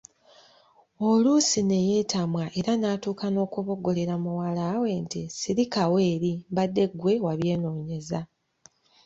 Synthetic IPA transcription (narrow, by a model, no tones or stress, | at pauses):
olusine̞je̞ːtamwaʔe̞ɾanaːtuːkano̞ːkuβo̞ɡo̞le̞ɾamuwalawe̞ntisiɾikawe̞ːɾimβadːe̞ɡwe̞waβje̞ːno̞ːɲe̞za